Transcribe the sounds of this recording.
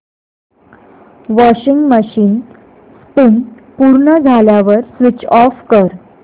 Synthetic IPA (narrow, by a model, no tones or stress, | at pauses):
ʋɔɕiŋɡməɕiːn | spin | puɾɳəd͡zʱaljaʋəɾsʋit͡ɕɔfkəɾ